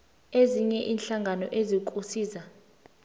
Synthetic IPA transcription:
eziɲɛʔiːnɬaŋɡʱanɔʔezikʼusiːza

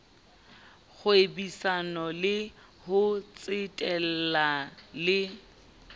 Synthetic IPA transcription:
χʊebisanɔlɪ | hʊt͡sʼɪtʼɛl̩lalɪ

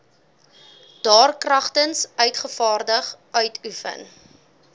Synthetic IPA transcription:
d̥ɑːrkrɐχtənsœɥtχəfɑːrdəχ | œɥtʰufə̰n

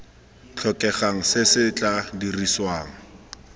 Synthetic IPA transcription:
t͡ɬʰɔkʼɛχaŋ̩sɪsɪt͡ɬʼadiriswaːŋ̩

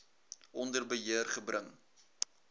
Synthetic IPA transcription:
ɔndərbəɦiərχəbrəŋ

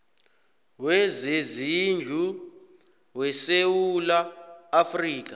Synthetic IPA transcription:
wɛzezind͡ɮʱu | wɛsewulaːfriːk̬a

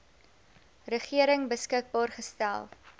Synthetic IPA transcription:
rəχiəɾəŋbəskək̚bɑːrχəstæ̰lˠ

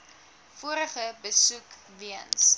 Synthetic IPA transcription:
fuəɾəχəbəsuk | viəns

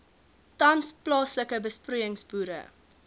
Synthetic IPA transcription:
tɐnsplɑːsləkəbəspruəŋsbuːɾə̰

